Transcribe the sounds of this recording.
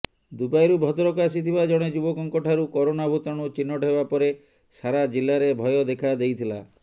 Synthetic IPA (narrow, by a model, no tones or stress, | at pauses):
d̪upajɾubʱɔt̪ɾɔkaas̬it̪ʰibad͡ʒɔɽ̃ed͡ʒubɔkɔŋkɔʈʰaɾukɔɾonabʱut̪ɔɽ̃ut͡ʃinːɔʈebapɔɾe | saɾad͡ʒilːaɾebʱɔjɔd̪ekʰad̪ejt̪ʰila̰